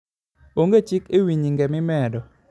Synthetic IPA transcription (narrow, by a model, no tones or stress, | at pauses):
oŋɡet͡ʃikewiɲiŋɡɛmɪmɛdɔ